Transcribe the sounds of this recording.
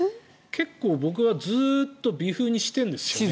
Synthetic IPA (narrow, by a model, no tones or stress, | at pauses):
kʰe̞kːo̞ːbo̞k̬ɯ̟βad͡zɨːt̪ːo̞bʲiɸɯːɲ̟iɕi̥t̪ẽ̞nd̪e̞sɨ̥jo